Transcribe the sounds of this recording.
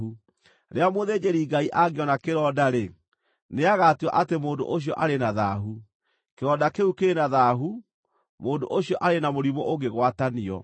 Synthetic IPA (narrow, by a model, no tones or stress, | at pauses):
u | ɾeamoðeːd͡ʑeɾiɡaiʔaɡeɔnakeɾɔːdaɾe | neaɣatiɔ̰ʔatemoːndo̰ʔoɕ̬jɔʔaɾenaðaɦu | keɾɔːdakeukenaðaːɦu | moːndo̰ʔoɕiɔʔaɾenamoɾimɔʔoɡeɣwataniɔ̰